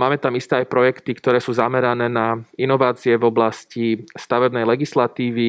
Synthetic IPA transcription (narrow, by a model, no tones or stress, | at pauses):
maːmɛt̪amist̪ɛːajpɾɔjɛkt̪ikt̪ɔɾɛːsuːzamɛɾanɛːnainɔʋaːt͡siɛvɔblascist̪aʋɛbnɛjlɛɡislat̪iːʋi